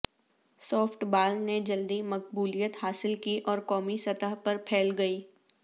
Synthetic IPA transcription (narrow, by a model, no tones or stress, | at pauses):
sɔːfʈbaːlned͡ʒɐld̪imɐq̚buːlijət̪haːsɪlkiʔɔːɾkɔːmisɐt̪əɦpɐɾpʰɛːlɡɐiː